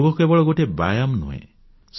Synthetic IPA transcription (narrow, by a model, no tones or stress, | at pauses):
ɡɔkuebɔɭɔɡoʈeba̰jamnṵḛ̃ | s